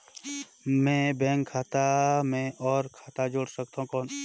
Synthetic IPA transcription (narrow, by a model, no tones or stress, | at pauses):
mɛ̃bɛ̃ːŋkʰːaːt̪amẽʔɔːɾkʰaːt̪ad͡ʒoːɽsək̚t̪aũkɔːn